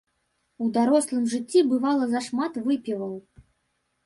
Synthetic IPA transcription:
ud̪aɾɔslˠɨmʐɨt͡sʲːibɨvalˠɐzɐʂmat̪vɨpʲivɐw

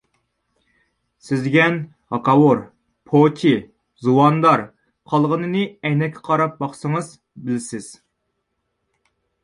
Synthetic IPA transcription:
sɪzɡʲɛn | hɑqɑwoɾ | pʰot̪ʲʰi | zuwɑnd̪ɑɾ | qʰɑlˠʁənɨnɨɛjnɛkʲʰːɛ̥qʰɑɾɑp̚bɑχsəŋɨz | bɪlsɪz̥

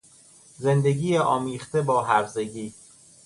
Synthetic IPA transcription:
ze̞nd̪e̞ɡiːeʔɒːmiːχt̪ebɒːɦæɾze̞ɡiː

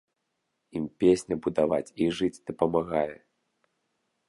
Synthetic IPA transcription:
impʲesʲnʲɐbud̪avat͡sʲiʐɨt͡sʲd̪̥ɐpɐmaɣajɛ

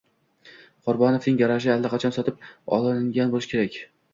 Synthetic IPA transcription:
qʰʊɾbɒnofnɪŋjaɾaʃ̬ɪalːaqʰɑt͡ʃʰɒnsɒt̪ʰɪp̚ɒ̰lˠɪŋɡʲanbolˠɪʃɪkʲʰe̞ɾakʲ

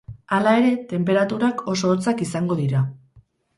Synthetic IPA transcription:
alae̞ɾe̞t̪e̞mpe̞ɾat̪uɾakʰo̞so̞ːɾt͡sakisaŋɡo̞ðiɾa

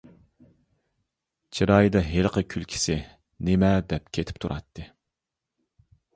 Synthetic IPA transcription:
t͡ʃʰiɾɑjd̪ɑɦelqʰəkʲʰylkʲʰi̥sɪ | nemɛd̪ɛp̚kʲʰet̪ʰɪ̥p̚t̪ʰuɾʔɑ̰t̪ʰːɨ

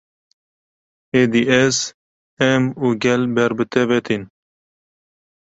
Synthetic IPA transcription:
ed̪iʔɛz | ɛmuːɡʲɛlbɛɾbɨt̪ʰɛvɛt̪ʰin

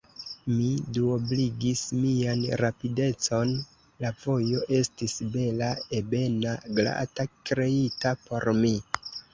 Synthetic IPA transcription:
miduobliɡismianɾapide̞t͡so̞n | lavo̞jo̞ʔe̞stisbe̞lae̞be̞naɡla̰takɾe̞itapo̞ɾmi

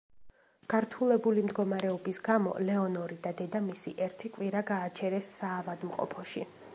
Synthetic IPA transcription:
ɡ̥aɾt̪ʰulˠɛbulimd̪ɡɔmaɾɛɔbisɡamɔ̰lɛɔnɔɾid̪ad̪ɛd̪amisiʔɛɾt̪ʰikʼvwiɾaɡaːt͡ʃʰɛɾɛsːaːvad̪mqʼɔ̰pʰɔʃḭ

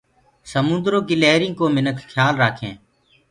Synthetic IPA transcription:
səmʊ̃nd̪ɾoːɡileːɾĩːkoːmɪnəkʰkʰːjaːlɾaːkʰḛ̃ː

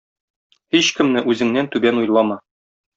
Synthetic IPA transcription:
hiɕkɘ̆mnɘʔʉzɘ̆ŋnænt̪ʉbænujlˠɑmɑ

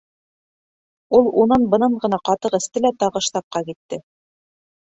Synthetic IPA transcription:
ulˠunɤnbɤ̆nɤɴɢɤ̆nɑqɑt̪ɤqɘ̆st̪ɘlæt̪ɑʁɤ̆ʃt̪ɑp̚qɑkit̪ːɘ

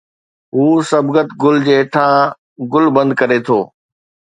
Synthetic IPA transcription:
ɦuːsɐbɡət̪ɡʊld͡ʑeːʈʰãː | ɡʊlbɐ̃nd̪̚kɐɾet̪ʰoː

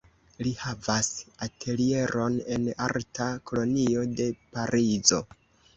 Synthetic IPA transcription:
lihavasatʰe̞lie̞ɾʔo̞ne̞naɾtakʰo̞lo̞nio̞de̞paɾʔizo̞̰

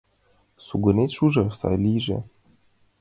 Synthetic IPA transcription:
suɡɤ̆nʲet̪ʲʃuʐɤ̆sɑ̰lʲiʒḛ

